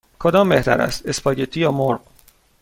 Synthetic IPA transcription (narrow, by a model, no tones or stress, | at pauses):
kʰod̪ɒːmbe̞ht̪ʰæ̰ɾæ̰st̪e̞spʰɒːɟet̪ʰiːjɒːmoɾɢ